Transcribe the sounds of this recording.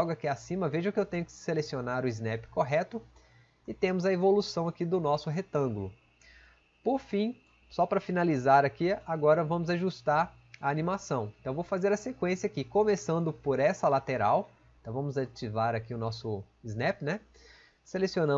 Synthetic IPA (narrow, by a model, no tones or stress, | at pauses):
wɡakiasĩmɐveʒɐʊkɪewt̪ẽɲʊkɪ̥selesionaɾʊɪznɛpɪ̥koɦɛt̪ʊ | ɪt̪ẽmʊzɐevolusɐ̃w̃akid̪ʊnɔsʊɦet̪ɐ̃ɡʊlʊ | poɾfĩ | sɔpɾɐfinalizaɾakiaɡɔɾɐvɐ̃mʊzaʒust̪aɾ | ɐːnĩmasɐ̃w̃ẽt̪ɐ̃w̃vowfazeɾɐsekwẽsiɐakikõmesɐ̃nd̪ʊpoɾɛsɐlat̪eɾaw | ẽt̪ɐ̃w̃vɐ̃mʊzat͡ʃivaɾakiʊnɔsʊ | ɪznɛpɪnɛ | selesionɐ̃